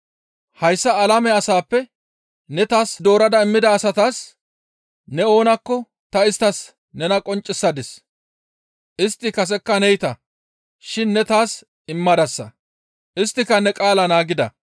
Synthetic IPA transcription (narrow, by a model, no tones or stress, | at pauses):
hɐjsːɐːlɐmɛɐsaːpːɛ | nɛt̪aːsd̪o̞ːɾɐd̪ɐɪmːɪd̪ɐːsɐt̪aːs | nɛo̞ːnɐkːɔ | t̪ɐɪst̪ːɐs | nɛnɐkʼɔnt͡ʃʼːɪsːɐd̪ɛs | ʔɪst̪ːɪkɐs̬ɛkːɐnɛjt̪ɐ | ʃɪnːɛt̪aːs | ɪmːɐd̪ɐsːɐ̰ | ʔɪst̪ːɪkɐnɛkʼaːlɐnaːɡɪd̪ɐ̰